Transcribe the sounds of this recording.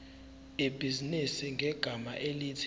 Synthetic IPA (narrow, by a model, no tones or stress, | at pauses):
ib̥ʱizinisiŋʱɛɡ̥ʱama̰ʔelitʰ